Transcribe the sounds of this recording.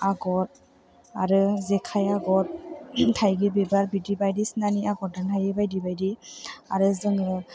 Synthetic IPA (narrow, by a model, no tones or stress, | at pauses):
aɡɔt̚ | aɾɯzɛkʰajaɡɔt̚tʰajɡɯbebaɾbidibajdisnaniaɡɔdɯntʰajɯbajdibajdiaɾɯzɯŋɯ